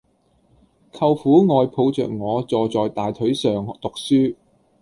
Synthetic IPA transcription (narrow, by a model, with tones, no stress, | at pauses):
kʰɐ˧wfuː˨˥ŋɔː˨jpʰo˧wt͡sœ̰ː˨k̚ŋɔː˨˧t͡sɔː˨t͡sɔː˨jt̪aː˨jt̪ʰɵ˨˥ɥsœː˨ŋt̪ʊ˨k̚syː˥